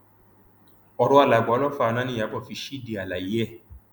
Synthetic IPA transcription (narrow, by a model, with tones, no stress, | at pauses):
ɔ˧ɾɔ˧˦a˧˨la˨ɡ͡blɔ˦fa˧nã˦nĩ˦˨a˨˦bɔ˦˨fi˧ʃi˦de˨a˨la˨ji˨˦ɛ˦˨